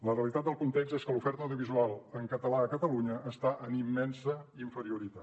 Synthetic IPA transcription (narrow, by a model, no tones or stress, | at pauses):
ləreəlit̪at̪̚d̪əlˠkunt̪ekzseskəlufɛɾt̪əwðiuβ̞izualˠəŋkət̪əlaəkət̪əluɲəːst̪aʔənimːɛnsəiɱfəɾiuɾit̪a